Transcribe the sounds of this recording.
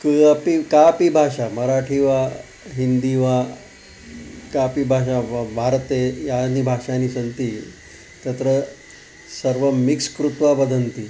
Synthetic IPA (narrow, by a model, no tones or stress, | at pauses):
kpikapibʱaʂaməɾaʈʰiʋa | ɦind̪iʋa | kapibʱaʂabʱaɾt̪ejanibʱaʂanisənt̪i | t̪ət̪ɾə | səɾʋəmikskɾut̪ʋabəd̪ʱənt̪i